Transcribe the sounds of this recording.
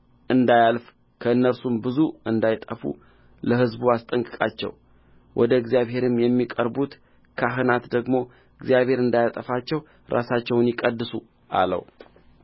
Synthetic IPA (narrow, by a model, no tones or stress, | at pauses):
ʔɨnd̪ajalf | kʰəɨnːəɾsumbɨzuɨnd̪ajt̪ʼəfṵ | ləhɨzbuast̪ʼəŋkʼɨkʼat͡ʃːɛ̰w | wʔɔd̪əɨɡzijaβhe̞ɾɨmjɛmːikʼəɾbut̪ | kʰaɦɨnat̪d̪əɡmo̞ | ɨɡzjaβhe̞ɾɨnd̪ajat̪ʼəfat͡ʃːɛw | ɾʔa̰sat͡ʃːɛwnjɪkʼəd̪ːɨsu | ʔa̰lə̰w